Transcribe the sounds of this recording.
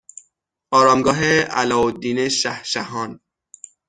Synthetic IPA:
ɒːɾɒːmɡɒːɦeæ̰lɒːod̪ːiːneʃæhʃæhɒːn

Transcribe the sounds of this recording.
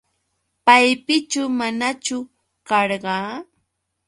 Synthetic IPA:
pajpɪt͡ʃʊmanat͡ʃʊ | kɑɾɢɑː

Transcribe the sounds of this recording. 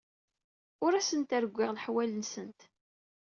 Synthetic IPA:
ʊɾæsənt̪æɾɡʷːɪʁlħwælənsənt̪

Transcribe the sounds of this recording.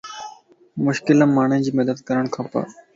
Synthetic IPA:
mʊʃkɪlãːmaːɳ̤ʊ̃d͡ʑiːmɐd̪əd̪kəɾəɽ̃kʰaːpa̰ː

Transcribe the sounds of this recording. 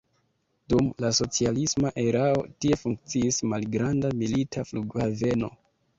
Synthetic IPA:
dumlaso̞t͡sialismaʔe̞ɾao̞tie̞fuŋk̚t͡siːsmalɡɾandamilitʰafluɡave̞no̞̰

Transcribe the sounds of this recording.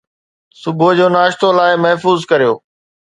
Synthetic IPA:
sʊbʱʊd͡ʑoːnaːʃt̪olaːɪmɐɦfuːzkɐɾijoː

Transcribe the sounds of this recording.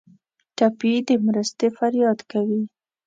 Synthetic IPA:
ʈapid̪əmɾəst̪efaɾjɑd̪kawi

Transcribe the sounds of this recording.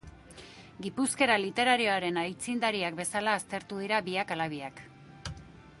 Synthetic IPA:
ɡipuske̞ɾalit̪e̞ɾaɾio̞aɾe̞najt͡sind̪aɾiakbe̞salaːst̪e̞ɾt̪uðiɾaβiakalaβ̞iak

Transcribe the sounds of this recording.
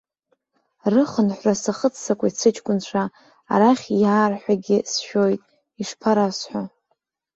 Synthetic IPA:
rɨχənħʷrasaχət͡sʰsakʷʼait͡sʰɨt͡ʃʼkʷʼʊnt͡ɕʷʰa̰ː | ɾaχʲjaːrħʷᶣaɡʲɪsʃo̞jtʼ | iʂpʰaɾasħʷa

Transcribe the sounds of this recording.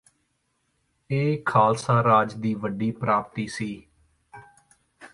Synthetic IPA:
eːkʰaːlsãːɾaːd͡ʒd̪iːʋəɖiːpɾaːp̚t̪iːsiː

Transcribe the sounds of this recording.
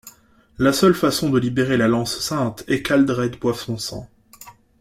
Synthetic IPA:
lasœlfasɔ̃d̪əlibeʁelalɑ̃ssɛ̃t̪ɛkald̪ʁɛd̪bwafsɔ̃sɑ̰̃

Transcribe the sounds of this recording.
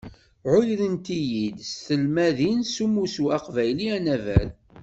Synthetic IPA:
ʕʊjɾənt̪ijid̪sθəlmæðinsumusuæqvæjliænævæ̰l

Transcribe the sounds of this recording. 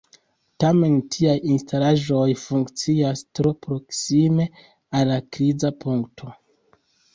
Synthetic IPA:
tame̞ntʰiajinstalaʒo̞jfuŋkt͡siastɾo̞pɾo̞ksime̞ | alːakɾizapʰuŋktʰo̞

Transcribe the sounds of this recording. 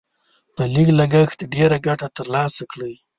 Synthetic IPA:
pəliɡlaɡəxt̪ɖeɾaɡaʈat̪əɾlɑsakɽəj

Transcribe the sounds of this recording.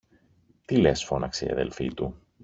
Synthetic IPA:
t̪ile̞sfo̞nɐkseiɐ̰ðe̞̰lfḭt̪u

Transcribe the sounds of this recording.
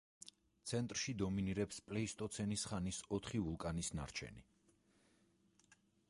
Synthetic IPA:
t̪sʰɛnt̪ʼɾʃid̪ɔminiɾɛpspʼlɛist̪ʼɔt̪sʰɛnisχanisɔt̪ʰχivulˠkʼanisna̰ɾt͡ʃʰɛ̰ni

